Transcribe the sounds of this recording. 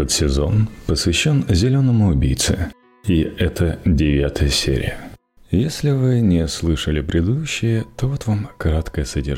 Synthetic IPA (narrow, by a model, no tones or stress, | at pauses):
t̪ət̪sʲɪzo̞̰npəsvʲɪɕːo̞nzʲɪlʲo̞nəmʊʊbʲijt̪sɨ̰ | iɛt̪ʰədʲɪvʲat̪əjəsʲḛɾʲɪ̰jə | jesʲlʲɪvɨnʲɪslˠɨʂəlʲɪpɾʲɪd̪ɨd̪uɕːɪjət̪ovo̞t̪vamkɐɾat̪kəjəsədʲɪ